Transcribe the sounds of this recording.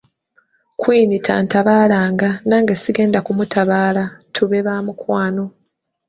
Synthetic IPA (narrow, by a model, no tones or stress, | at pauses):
kwiːnitʰa̰ːntaβaːlaːŋɡanaːŋɡesiɡe̞ːndakumutaβaːlatʰuβe̞βaːmukwaːno̞